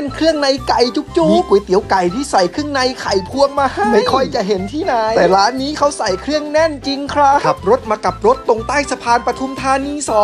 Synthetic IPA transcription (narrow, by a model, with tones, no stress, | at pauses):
nkʰɾɯ˥˩əŋna˧jka˨˩jt͡ɕu˦˥k̚t͡ɕuː˧˩ku˩˦jt̪i˩˦əwwka˨˩jt̪ʰiː˥˩sa˨˩jkʰɯ˥˩əŋna˧jkʰa˨˩jpʰu˧əŋmaː˧ham˩a˥˩jkʰɔ˥˩jt͡ɕa˨˩ɦe˩˦nt̪ʰiː˥˩na˧˦ɛː˨˩ɾaː˦˥nːiː˦˥kʰa˦˥wsa˨˩jkʰɾɯ˥˩əŋnɛ˥˩nt͡ɕi˧ŋkʰɾa˦˧˥a˨˩p̚ɾo˦˥t̪̚maː˧ka˨˩p̚ɾo˦˥t̪ːo˨˧ŋt̪aː˥˩jsa˧pʰaː˧npɾa˧t̪ʰu˧mt̪ʰaː˧niː˧sɔː˨˦